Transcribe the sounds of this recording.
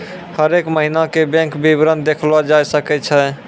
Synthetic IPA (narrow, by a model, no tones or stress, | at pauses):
həɾekməɦinakebɛ̃ŋkbibɾənd̪ekʰlad͡ʒajsəkɛt͡ʃʰɛ